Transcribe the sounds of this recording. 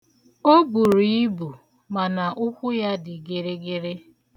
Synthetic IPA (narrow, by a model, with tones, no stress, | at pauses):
o˦bu˨ɾi˨i˦bu˨ | ma˨na˨ʔʊ˦kʷʊ˦ja˦dɪ˨ɡe˨ɾe˦ɡe˦ɾe˦